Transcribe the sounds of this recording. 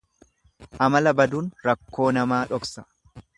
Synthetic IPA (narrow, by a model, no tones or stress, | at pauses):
ʔɐmɐlɐbɐd̪uːnɾɐkːo̞ːnɐmaːᶑɔksɐ̥